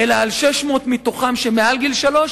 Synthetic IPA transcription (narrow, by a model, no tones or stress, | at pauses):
elaalʃeʃmo̞t̪mit̪oχamʃemealɡilʃalo̞ʃ